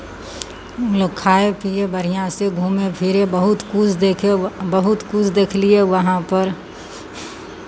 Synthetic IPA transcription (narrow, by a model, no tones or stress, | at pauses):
loɡkʰaːepiebəɾ̤ijãseɡʱuːmepʰɪɾebɐɦʊt̪kud͡ʒʰd̪ekʰebɐɦʊt̪kʊt͡ʃd̪eːkʰlieʋɐɦãpɐɾ